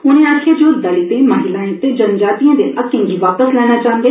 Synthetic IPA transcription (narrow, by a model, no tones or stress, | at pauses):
ʊnẽaːkʰed͡ʒoːd̪əɭit̪emaːɦɪlaːẽt̪ed͡ʒənd͡ʒaːt̪ijãːd̪eʔɐkːɪ̃ŋɡiʋaːpəslɛːñat͡ʃaːənd̪e